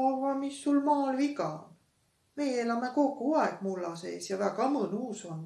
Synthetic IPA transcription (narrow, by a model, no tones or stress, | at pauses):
ɑrvɑmisːulmɑːlvikɑo̰n | me̞jeelɑme̞ko̞kːˑuɑeɡ̥̚mulːɑse̞̰ːsjɑvæɡɑmɤnuːson